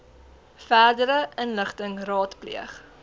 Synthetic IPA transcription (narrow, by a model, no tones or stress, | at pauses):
fæːrdəɾəʔənləχtəŋrɑːtplḭəχ